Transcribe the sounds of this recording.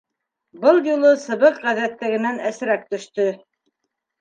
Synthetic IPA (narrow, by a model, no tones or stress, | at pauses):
bɤlˠjulˠɤsɤ̆βɤqʁæðæt̪ːɘ̆ɡɘ̆nænæsɘ̆ɾæk̚t̪ɵ̆ʃt̪ɵ